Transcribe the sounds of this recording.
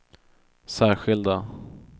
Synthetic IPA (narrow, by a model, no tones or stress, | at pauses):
sæːɾɧɪld̪a